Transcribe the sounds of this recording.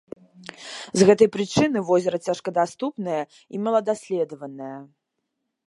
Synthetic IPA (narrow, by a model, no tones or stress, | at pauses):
zɣɛt̪ɐjpɾɨt͡ʂɨnɨvɔzʲɐɾɐt͡sʲaʂkɐd̪ast̪upnɐjɐ | imɐlˠɐd̪asʲlʲɛd̪ɐvɐnɐjɐ